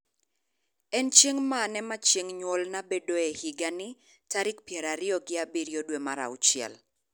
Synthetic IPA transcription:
ɛnt͡ʃeŋmanɛmat͡ʃeŋɲwɔlnabedoehɪɡanɪ | taɾɪk̚pjɛɾaɾɪɔɡɪabiɾjodwemaɾa̰ʊt͡ʃɪɛ̰l

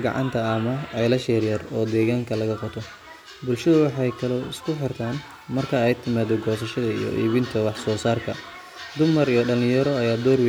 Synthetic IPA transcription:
ɡɑ̰ʕɑ̰nt̪ʰɐːmɐɛjlɐʃɛrjɐrɔːd̪ɛːɣaːŋkʰɐlɐɣɐqʰɔt̪ʰɔ | bʊlʃɐðʊwɑħɑjkʰɐlɔɪskʰʊħɪrt̪ʰaːn | mɐrkʰɐɛjt̪ʰɪmaːðɔɡɔːs̬ɐʃɐðɐḭjɔ̰ʔḭːβɪnt̪ʰɐwɑħsɔːsaːrkʰɐ | d̪ʊmɐrijɔɖɐlɪ̃jɐɾɔɐjaːd̪ɔːrw

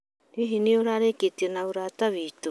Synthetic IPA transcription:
ɾiɦinioɾaɾeketienaoɾataβito

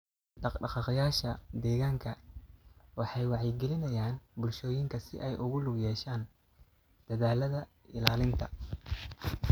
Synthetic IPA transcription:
ɖɑqɖɑqɑqjaːʃɐd̪ɛːɣaːŋkʰɐ | wɑħɑjwɑʕjɪɡɛlɪnɐjaːnbʊlʃɔːjɪŋkʰɐsɪʔɛjʔʊɣʊlʊbjɛːʃaːn | d̪̥ɐðaːlɐðɐ | ɪlaːlɪnt̪ʰɐ̰

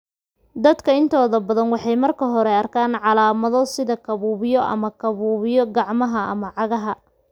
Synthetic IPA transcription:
d̪ɐd̪kʰɐɪnt̪ʰɔːðɐbɐðɐnwɑħɑjmɐrkʰɐɦɔɾɛɐrkʰaːnʕɑlaːmɐðɔsɪðɐkʰɐβuːβɪjɔʔɐ̰mɐkʰɐβuːβɪjɔɡɑʕmɐɦɐɐ̰mɐʕɑɣɐɦɐ

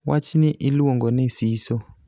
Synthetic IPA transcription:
wat͡ʃʰiniʔiluɔŋɡɔnesiːsɔ

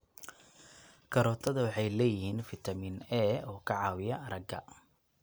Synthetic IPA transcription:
kʰɐɾɔːt̪ʰɐðɐwɑħɑjlɛːjɪhiːnfɪt̪ʰɐmiːnɛːɔːkʰɐʕɑːwɪjɐɾɐɡɐ̰

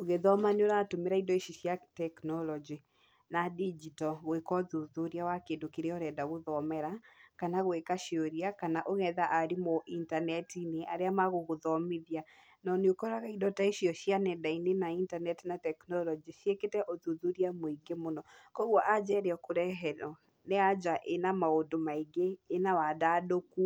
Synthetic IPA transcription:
oɣeðɔmaneoɾatomeɾaidɔeʃiɕjatɛknɔlɔd͡ʒi | nadid͡ʒitɔɣwekɔðuðuɾiawakeːndokeɾeɔɾɛdaɣoðɔmɛɾakanaɣwekaʃioɾiakanaʔoɣɛðaʔaɾimoʔintanɛtineʔaɾeamaɣoɣoðɔmeðia | nɔneokɔɾaɣaidɔtaiʃiɔʃianɛdainenaintanɛtinatɛknɔlɔd͡ʒiʃieketɛʔoðuðuɾiamoiɡemonɔkɔɣwɔʔad͡ʑɛːɾeɔkoɾɛɦɛɾɔ | nead͡ʑaʔenamaondomaiɡeːnawadaːdoku

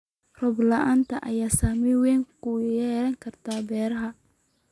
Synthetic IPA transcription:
rɔblɐʔaːnt̪ʰɐʔɐ̰jaːsaːmɪwɛːŋkʰʊjɛːɾɐŋkʰɐrt̪ʰaːbɛːɾɐɦɐ

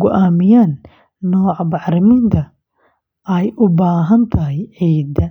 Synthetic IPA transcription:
ɡʊʔaːmɪjaːnː | ɔːʕbɑħɾɪmɪnt̪ʰɐ | ɛjʔʊbaːɦɐnt̪ʰɐɦɛjʕiːd̪ɐ

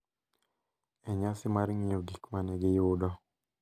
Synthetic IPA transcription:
ɛɲasɪmaɾŋɪoɡikmanɛɡɪjʊdɔ

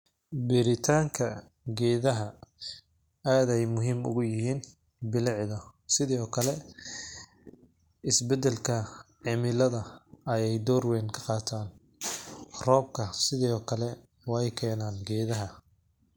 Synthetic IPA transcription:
bɪɾɪt̪ʰaːŋkʰɐ | ɡɛːðɐɦɐ | aːðɛjmʊɦiːmʊ̰ɣʊjɪhiːn | bɪlɪʕðɐsɪðiːɔːkʰɐlɛ | ɪsbɛd̪ɛlkʰɐʕɪmɪlɐðɐɐjɛjd̪ɔːrwɛːnkʰɐ̥qɑːt̪ʰaːn | rɔːb̚kʰɐsɪðɛɔːkʰɐlɛ | wɑɛjkʰɛːnaːnɡɛːðɐɦɐ

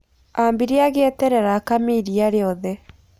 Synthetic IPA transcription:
ambiɾeaɣetɛɾɛɾakamiɾiaɾeɔðɛ

